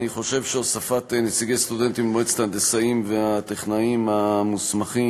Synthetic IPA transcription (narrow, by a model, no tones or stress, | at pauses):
niχo̞ʃe̞vʃeosafat̪enet͡siɡe̞jst̪ud̪e̞nt̪immoet͡st̪and̪esaimveat̪eχnaimamusmaχi